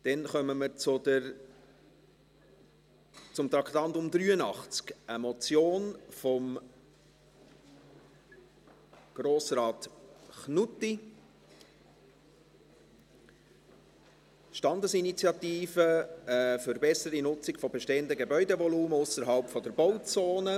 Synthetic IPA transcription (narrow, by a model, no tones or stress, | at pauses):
d̥ɛnχœməməɾt͡sʊdə | t͡sʊmt̪ɾɑkt̪ɑntʊmd̪ɾyːənɑχt͡skəmɔt͡sjoːnfɔm | ɡ̥roːsrɑːtχnuti | ʃtɑndəsinit͡sjɑt̪iːfəəføɾbɛsəɾinʊt͡sɪkfɔbɛʃteːəndəɡebœʏdevɔluːməʊsəɾɦɑlpfɔdəɾb̥ɔʊt͡soːnə